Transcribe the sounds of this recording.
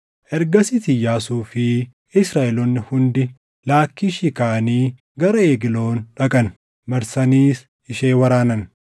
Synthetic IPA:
ʔɛɾɡɐsɪt̪ɪjaːsuːfɪ | ɪsɾaːʔɛlɔnːɪhʊnd̪ɪ | laːkːiːʃɪkaːɐniː | ɡɐɾɐeːɡɪlo̞ːnᶑɐkʼɐn | mɐɾsɐniːs | ɪʃeːwɐɾaːnɐn

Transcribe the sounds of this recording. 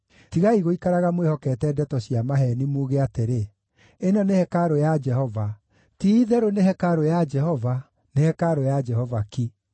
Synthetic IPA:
tiɣaiɣoikaɾaɣamwehɔkɛːtɛːdɛtɔɕjamaɦɛnimoːɣeateɾe | enɔnehɛkaɾojad͡ʒɛhɔva | tiðɛɾonehɛkaɾojad͡ʒɛhɔva | nehɛkaɾojad͡ʒɛhɔvaki

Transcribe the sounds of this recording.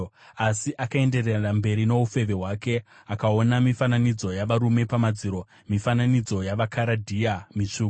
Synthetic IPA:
asiʔakae̞nde̞rerambe̞ɾino̞ufe̞ʋe̞ɦwake̞ | akao̞namifananid͡zo̞jaʋaɾume̞pamad͡ziːɾo̞ | mifananid͡zo̞jaʋakʰaɾadʱiamit͡ʂuːk

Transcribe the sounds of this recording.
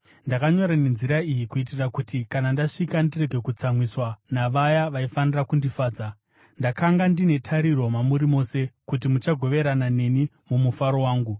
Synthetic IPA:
ndakaɲo̞ɾane̞nziɾaijikuit̬irakutikanandaʂikandire̞ɡʱe̞kut͡samwiswanaʋajaʋaifanirakundifaːd͡za | ndakaŋɡandine̞tʰaɾiɾo̞mamuɾimo̞ːse̞kutimut͡ʃaɡʱo̞ʋe̞ɾanane̞ni | mumufaɾo̞waːŋɡu

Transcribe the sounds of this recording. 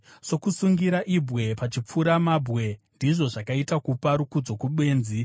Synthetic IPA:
so̞kusuŋɡiɾaʔibʱɣe̞pat͡ʃip͡fuɾamabʱɣe̞ndiʐo̞ʐakaitakupaɾukud͡zo̞kuɓwe̞ːnzi

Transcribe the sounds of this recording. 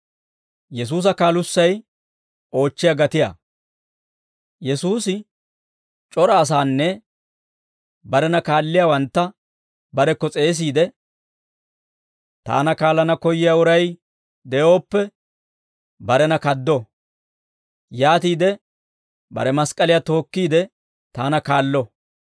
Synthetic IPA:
jɛs̬uːs̬ɐkaːlʊsːɐj | o̞ːt͡ʃːɪjɐɡɐt̪ɪja̰ | jɛsuːsɪ | t͡ʃʼɔɾɐːs̬aːnːɛ | bɐɾɛnɐkaːlːɪjawɐnt̪ːɐ | bɐɾɛkːɔt͡sʼe̞ːs̬iːd̪ɛ | t̪a̰ːnɐkaːlːɐnɐkɔjɪjaʊɾɐj | d̪ɛjoːpːɛ | bɐɾɛnɐkɐd̪ːɔ | jaːt̪iːd̪ɛ | bɐ̰ɾɛmɐskʼɐlɪjɐt̪o̞ːkːiːd̪ɛ | t̪aːnɐkaːlːɔ

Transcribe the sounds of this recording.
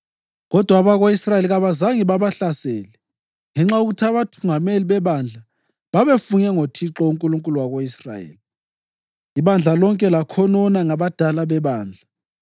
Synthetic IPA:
ɣɔd̥ʱwaβaɣoisrajeliɣaβazaŋiβaβaɬasɛːlɛ | ŋɛŋ͡ǁauɣutʰaβatʰuŋameliβɛβand͡ɮʱa | βaβefunɛŋotʰiǁɔuŋkʼuluŋkʼuluwaɣoisra̰jḛːli | iβand͡ɮʱalɔŋkʼɛlakʰɔnɔnaŋaβad̥ʱalaβɛβaːnd͡ɮʱa

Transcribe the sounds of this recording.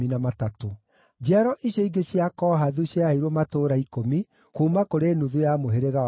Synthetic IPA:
inamatato | d͡ʒaɾɔʔiɕjɔiɡeɕiakɔɦaðuɕiaiɾomatoːɾaikomi | kumakoɾeːnuðujamoɦeɾeɣa

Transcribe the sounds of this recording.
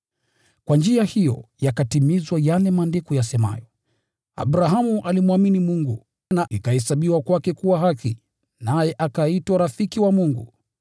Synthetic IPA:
kwand͡ʒiahijɔ̰jakatimizwajalɛmandɛkujasɛma̰jɔ | a̰ɓɾaɦamuʔalimwaminimuŋɡu | naikahɛsaɓiwakwakɛkuwaɦaki | najɛʔakaitwaɾafikiwamuŋɡṵ

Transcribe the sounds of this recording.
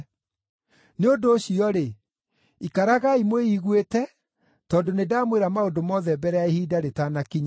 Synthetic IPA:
neodoːɕiɔɾe | ikaɾaɣaimweiɣwetɛ | tɔːndonedamweɾamaodomɔːðɛbɛɾɛaehiːdaɾetanakiɲa

